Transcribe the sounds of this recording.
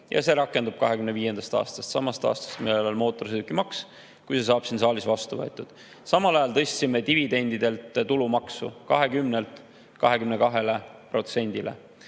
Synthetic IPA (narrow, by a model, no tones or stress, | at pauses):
jɑ̰se̞ɾɑkːˑe̞nd̪ub̥̚kɑɦekymneviːje̞nd̪ɑst̪ɑ̰ːst̪ɑ̥st̪sɑmɑst̪ɑ̰ːst̪ɑ̥st̪milelo̞lmo̞ːt̪ːˑo̞rsed̪ukːˑimɑks | kujse̞s̬ɑːb̥sinsɑːlisvɑst̪uvɤet̪ːˑud̪̥ | sɑmɑlɑjɑlt̪ɤ̞st̪ʲsimet̪ivid̪e̞nʲd̪id̪e̞lt̪t̪ulumɑksṵkɑɦe̞kymnelt̪ˑ | kɑɦe̞kymnekɑɦe̞le̞pro̞t̪se̞nʲd̪̥ile̞̰